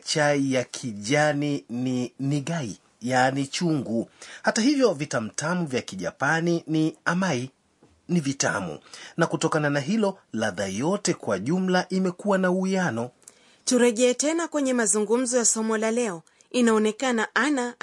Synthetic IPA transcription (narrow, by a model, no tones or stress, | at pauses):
t͡ʃaijakʰiʄanininiɠai | janit͡ʃuŋɡuhataɦivjɔvitam̩tamuvjakiʄa̰paniniamai | nivita̰mṵnakutɔkananaɦilɔlaðajɔtɛkwaʄum̩laʔimɛkuwanauianɔ | tuɾɛɠɛːtɛnakwɛɲɛmazuŋɡum̩zɔjasɔmɔlalɛɔ | inaɔnɛkanaʔana